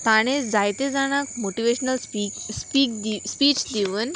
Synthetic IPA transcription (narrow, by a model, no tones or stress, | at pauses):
t̪aɽ̃ed͡zajt̪ed͡zaɽ̃akmoʈiʋeɕənəlispikd̪ispiːt͡ɕd̪iʋən